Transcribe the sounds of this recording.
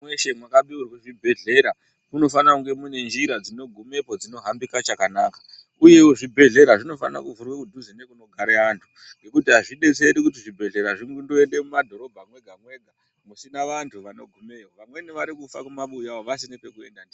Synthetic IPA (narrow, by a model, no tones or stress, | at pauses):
mweʃemwakaɓiurwiʐibʱe̞ɮe̞ɾa | muno̞fanakuŋɡe̞mune̞nd͡ʒiɾad͡zino̞ɡʱume̞po̞d͡zino̞ɦambikat͡ʃakanaːkḁ | uje̞woʐibʱe̞ɮe̞ɾaʐino̞fa̰na̰kuvurwekudʱuzine̞kuno̞ɡʱaɾeantʰu̥ | ŋŋɡe̞kutiɦaʐiɗe̞t͡se̞ɾikut̬iʐibʱe̞ɮe̞ɾaʐiŋɡundoe̞nde̞mumadʱo̞ɾo̞bʱamwe̞ɡʱamwe̞ːɡʱa | musinaʋantʰuʋano̞̰ɡʱumewoʋamwe̞niʋaɾikufakumaɓujawoʋas̬inepe̞kue̞̰ndandi